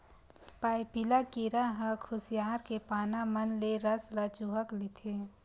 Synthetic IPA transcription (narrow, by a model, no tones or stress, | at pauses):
paːjpilakiːɾaɦə̃kʰʊsijaːɾkepaːnamənleɾəslat͡ʃuɦəklɪt̪ʰeː